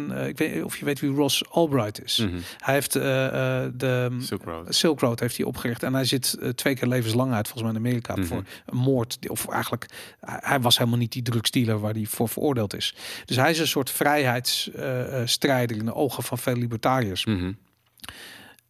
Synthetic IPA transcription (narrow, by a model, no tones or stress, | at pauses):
nɪkʋeɔ̰fjəʋejtʋirɔsɔlˠbrajtʰɪshɛjheft | də | sɪlˠkrowtɦejftiʔɔ̰pχərɪχtɛnɦɛjzɪttʋejkɪːɹlejvənslɑŋœɥtfɔlˠəsmɛjɪnameːɾika̰fʊ̰ːɹənmoːɹtɔ̰fɛ̰jxənlək | hɛjʋɑsɦeləmalˠnit̚didrɵkstiləɹʋaːɹdifʊːɹvərʔo̰ːɹdeːlˠtɪ̰sd̥øsɦɛjɪs̬ə̃nsʊːɹtfrɛjɦɛjts | strɛjdərɪndəʔowχəfɑnfeləlibəɹtaːriəs